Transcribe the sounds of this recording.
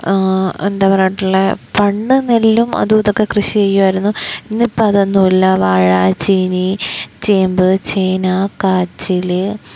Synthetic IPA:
end̪aːʋraːjʈːuɭːepɐɳːɨnelːumɐ̰ðuðokːekrɨɕijejːuʋɐjiɾunːuinːɨpːɐɐðenːulːɐʋaːɻat͡ɕinit͡ɕeːmbɨt͡ɕeːnakaːt͡ɕːilɨ

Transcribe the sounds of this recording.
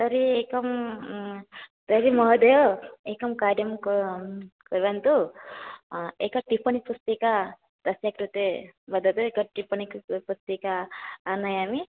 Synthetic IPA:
t̪ɐɾieːkɐm | t̪ɐɾimɐɦd̪ejoeːkɐmkaːɾjɐmk | kɐɾʋant̪u | ekɐʈipɐnipust̪ika | t̪ɐsjakɾut̪ebɐd̪ɐt̪uekɐʈipɐnikpust̪ikaːnɐjaːmi

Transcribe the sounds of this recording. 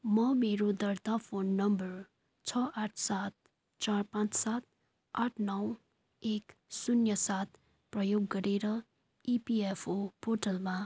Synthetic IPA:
mʌmeɾod̪ʌrt̪apʰonːʌmbʌr | t͡sʰʌʔaʈʰsat̪̚ | t͡sarpãt͡ssat̪̚ | aʈʰnʌw | eksunjʌsat̪̚ | prʌjoɡːʌɾeɾʌ | ipiepʰopʰoʈʌlma

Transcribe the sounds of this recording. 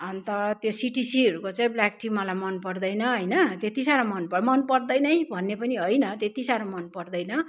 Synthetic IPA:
ʌnt̪ʌt̪josiʈisiʌɾukot͡saĩblakʈʰimʌlajmʌnpʌrd̪ʌjnʌɦʌjnʌt̪et̪isaɾamʌnpʌmʌnpʌrd̪ʌjnʌjbʱʌnːepʌniɦʌjnʌt̪et̪isaɾamʌnpʌrd̪ʌjnʌ

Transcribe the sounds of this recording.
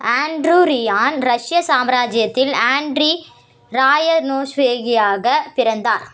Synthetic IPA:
aːɳɖɾuɾɪjaːnɾɐʂjɐsaːmɾaːd͡ʒɪjɐt̪ːɪlaːɳɖɾi | ɾaːjɐnoːʂʋeːɣɪjaːɣɐpɪɾɐnd̪aːɾ

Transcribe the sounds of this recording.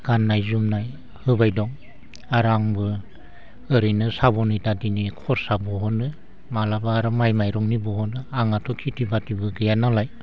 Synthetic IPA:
ɡ̥anːajzumnaj | hɯbajdɔŋ | aɾaŋbɯ | ɯɾɯjnɯsabɔnɯjtadinikʰɔɾsabɔɦɔnɯ | malabaːɾɯmajmajɾɔŋnibɔhɔnɯaŋatʰɔkʰitibatibɯɡɯjanalaj

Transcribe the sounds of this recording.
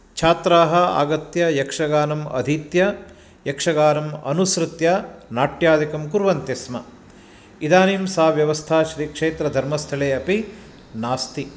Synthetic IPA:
t͡ʃʰaːt̪ɾaːɦɐa̰ːɡɐt̪jɐjɐkʂɐɡaːnɐmɐ̰d̪ʱiːt̪jɐ | jɐkʂɐɡaːnɐmɐ̰nusɾɨt̪jɐnaːʈjaːd̪ikɐmkuɾʋɐnt̪esmɐ | id̪aːnimsaːʋjɐʋɐst̪ʰaːʃɾikʂeːt̪ɾɐd̪ʱɐɾmɐst̪ʰɐɭeːɐpi | naːst̪i

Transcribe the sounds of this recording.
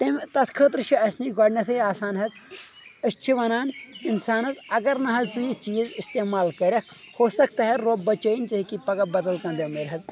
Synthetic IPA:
t̪ɐmt̪ɐskʰəːt̪ɾɨt͡ʃʰiɐsniɡɐɽnɐsʰɨaːsaːnɦɐz | ɨst͡ʃʰiʋɐnaːninsaːnɐzɐɡɐɾnɐɦɐzt͡sɨjit͡ʃiːzist̪eːmaːlkɐɾʲɐ | hoːsɐk̚t̪ɐɦɐɾoːbɐt͡ʃɐːint͡ʃɐɦikipɐɡɐbɐd̪ɐlkɐ̃nd̪ɐmeːɾʲɦɐz

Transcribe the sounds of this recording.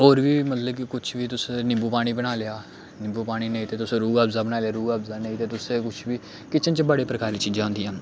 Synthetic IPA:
ɦoːɾʋiːmət̪ləb̚kɪkʊt͡ʃʰʋiːt̪ʊsẽnɪmbuːpaːɽ̃iːbəɽ̃aːlɪjaː | nɪ̃mbuːpaːɽ̃iːnəĩːt̪eːt̪ʊsẽːɾuːɡaːbzaːbəñaːlejaːɾuːɡaːbzaːnəĩːt̪eːt̪ʊsẽːkʊt͡ʃʰʋiː | kɪt͡ʃʰənt͡ʃbəɽeːpɾəkaːɾiːt͡ʃiːd͡ʒãːɦʊ̃nd̪iːãː

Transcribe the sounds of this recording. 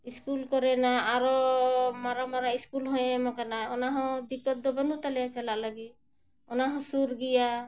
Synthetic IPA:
iskulkɔɾɛnaaɾɔmaɾamaɾaiskulɦɔ̃ẽmɔkanaɔnaɦɔ̃d̪ikːɔt̪̚d̪ɔbanut̪alɛjat͡ʃalaʔlaɡi | ɔnaɦɔ̃suɾɡija

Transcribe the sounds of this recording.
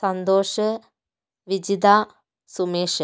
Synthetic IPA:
sɐnd̪oːʃɐ | ʋid͡ʒid̪aː | sumeːʃɐ

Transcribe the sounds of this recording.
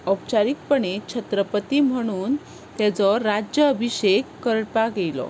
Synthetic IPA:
əp̚t͡ɕaɾik̚pəɽet͡ɕʰət̪ɾəpət̪iːm̤əɽ̃uːn | t̪jat͡sɔɾad͡ʑjəːbʱiɕekːəɾpaɡejlɔ̰

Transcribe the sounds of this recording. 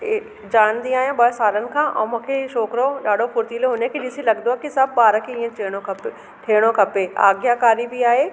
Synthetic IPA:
d͡ʑaːnd̪ĩaːɦjãɓɐɦsaːlənɪ̆kʰãːʔɛ̰̃ːmũːkʰeʃɔːkɾoɗaːɖʱopʊɾt̪iloɦʊnəkʰeɗɪsilɐɠnd̪oaːɦekisɐbbaːɾəkʰeĩːẽeːɽ̃okʰɐp | ʈʰeːɽ̃okʰɐpea̰ːɡjakaːɾibɪaːɦeː

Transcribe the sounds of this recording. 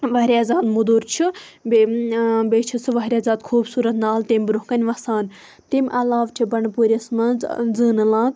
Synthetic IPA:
ʋɐɦɾʲaːzaːd̪mud̪uɾt͡ʃʰibebeːt͡ʃʰɐsʰɨʋɐɦɾʲiaːzaːd̪kʰuːbsuːɾɐt̪naːlt̪emʲbɾuɦkɐnʲʋɐsaːn | t̪imʲʔɐlaːʋt͡ʃʰibɐɳpuːɾʲɐsmɐnzzɨːnɨlãːk

